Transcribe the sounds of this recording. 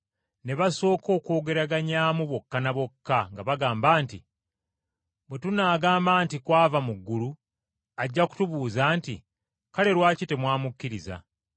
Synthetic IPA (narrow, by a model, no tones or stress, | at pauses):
ne̞βaso̞ːko̞ːko̞ːɡe̞ɾaɡaɲaːmuβo̞kːanaβo̞kːaŋɡaβaɡaːmbaːntḭ | bwe̞tunaːɡaːmbaːntikwaːvamuɡːulu | aɟːaku̥tuβuːzaːntḭ | kale̞ɾwaːcite̞mwaːmukːiɾiza̰